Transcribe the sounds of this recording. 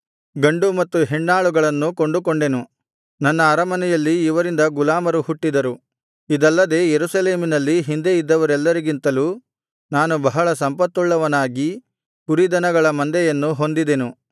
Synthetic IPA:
ɡɐɳɖumɐt̪ːuɦeɳːaːɭuɡɐɭɐnːuko̞ɳɖuko̞ɳɖe̞nu | nɐnːɐːɾɐmɐnɛjɐlːiːʋɐɾind̪ɐɡulaːmɐɾuhuʈːid̪ɐɾu | id̪ɐlːɐd̪e̞ːjeɾusɐle̞ːminɐlːiɦind̪e̞id̪ːɐʋɐɾɛlːɐɾiɡint̪ɐluː | naːnubɐɦɐɭɐsɐmpɐt̪ːuɭːɐʋɐnaːɡi | puɾid̪ɐnɐɡɐɭɐmɐnd̪ɛjɐnːuɦo̞nd̪id̪enu

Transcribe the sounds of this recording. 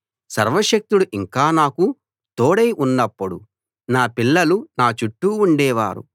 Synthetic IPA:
sɐ̰ɾʋɐʃɐk̚t̪uɽuʔiŋkaːnaːku | t̪oːɽejʔunːɐpːuɽu | naːpilːɐlunaːt͡ʃuʈːuːɳɖɛːʋa̰ːɾṵ

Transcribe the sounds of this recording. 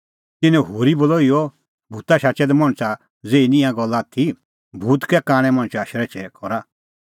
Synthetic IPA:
t̪ɪnɛ̃ɦoːɾibɔlɔijɔ | bʱut̪aʃat͡ʃɛd̪ɛmɔ̃ɽ̃t͡sa | d͡zeːinĩãɡɔlːat̪ʰi | bʱuːt̪kɛkaːɽ̃ɛ̃mɐ̃ɽ̃t͡ʃaːʃɾɛt͡ʃɛkɔɾa

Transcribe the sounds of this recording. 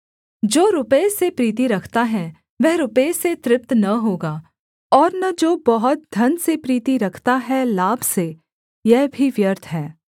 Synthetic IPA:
d͡ʒoːɾʊpəesepɾiːt̪iɾɐkʰt̪aɦɛ | ʋɛɦɾʊpəeset̪ɾɪp̚t̪nɐɦoːɡaː | ɔːɾnɐd͡ʒoːbɐɦʊt̪̚d̪ʱɐnsepɾiːt̪iɾɐkʰt̪aɦɛlaːbʱse | jɛɦbʱiʋjəɾt̪ʰɦɛ̃ː

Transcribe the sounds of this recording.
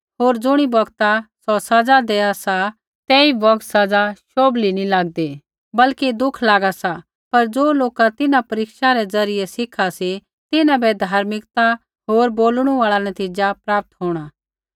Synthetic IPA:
ɦoːɾd͡zʊɽ̃ibɐɡt̪asɔsɐd͡zad̪eːasa | t̪ɛːibɔɡt̪sɐd͡zaʃoːblinĩlaːɡ̚d̪e | bɐlkid̪ʊkʰlaːɡasa | pɐɾd͡zoːloːkat̪ɪnãpɐɾɪkʃaɾɛd͡zɐɾɪjɛsɪkʰasi | t̪ɪnãbɛd̪ʱaːɾmɪkt̪a | ɦoːɾboːlɽ̃ũaːɭanɐt̪iːd͡ʒapɾaːp̚t̪ɦoːɽ̃aː

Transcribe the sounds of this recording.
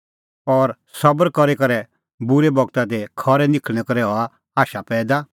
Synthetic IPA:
ɔːɾ | sɐbəɾkɔɾekɐɾɛ | bʊɾebɔɡt̪at̪ekʰɔɾɛnɪkʰɛkɔɾɛɦɔa | aːʃapɛːd̪a

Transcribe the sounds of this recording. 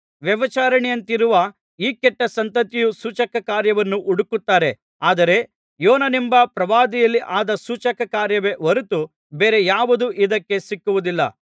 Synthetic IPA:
ʋjɐʋɐt͡ʃaːɾɐɳɛjɐnt̪iɾuʋɐ | iːkɛʈːɐsɐnt̪ɐt̪ijusuːt͡ʃɐkɐkaːɾjɐʋɐnːuʔuɽukut̪ːaːɾe̞ | aːd̪ɐɾe̞ | joːnɐnimbɐpɾɐʋaːd̪ijɐlːiʔaːd̪ɐsuːt͡ʃɐkɐkaːɾjɐʋe̞ʋɐɾut̪u | beːɾe̞jaːʋud̪uʔid̪ɐkːe̞sikːuʋud̪ilːɐ̰

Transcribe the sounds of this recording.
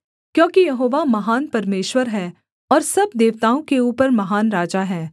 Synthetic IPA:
kjõːkijɐɦoːʋamɐɦaːnpɐɾmeːʃwəɾɦɛ̃ː | ɔːɾsɐbd̪eːʋt̪aːõkeuːpəɾmɐɦaːnɾaːd͡ʒaɦɛ̃ː

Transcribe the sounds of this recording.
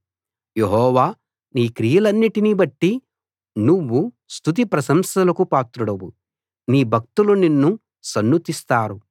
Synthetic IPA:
jeɦɔːʋaː | niːkɾijɐlɐnːiʈiniːbɐʈːi | nuʋːu | st̪ʰut̪̬ipɾɐsɐmsɐlɐkupaːt̪ɾuɽɐwu | niːbʱɐk̚t̪uluninːu | sɐnːut̪ist̪aːɾu

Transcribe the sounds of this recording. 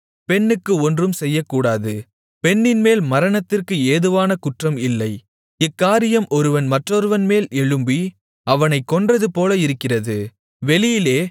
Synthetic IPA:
pɛnːɯkːɯɔndrɯmsɛjːɐkːuːɽaːðɯ | pɛnːɪnmeːlmɐɾɐnɐt̪ːɪrkɯeːðɯʋaːnɐkʊʈrɐmɪlːɐɪ | ɪkːaːɾɪjɐmʔɔɾɯʋɐnmɐʈrɔɾɯʋɐnmeːlɛɻɯmbi | ɐʋɐnɐɪkːɔndrɐðɯpoːlɐɪɾɯkːɪrɐðɯ | ʋɛlɪjɪleː

